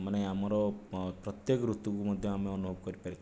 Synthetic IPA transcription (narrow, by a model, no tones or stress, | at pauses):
maneamɔɾɔpɾɔt̪jekɔɾut̪ukumɔd̪ʱjɔameɔnubʱɔbɔkɔɾipaɾi